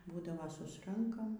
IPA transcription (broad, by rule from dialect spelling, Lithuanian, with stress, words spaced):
ˈbuːdɐʋoː ˈsʊsrɐŋkɐm